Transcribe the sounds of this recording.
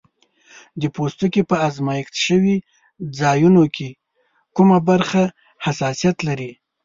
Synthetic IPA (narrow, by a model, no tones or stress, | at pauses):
d̪əpost̪ukepəazmɑjɪxt̪ʃəwi | d͡zɑjunokʰe | kumabaɾxa | hasɑsijat̪laɾi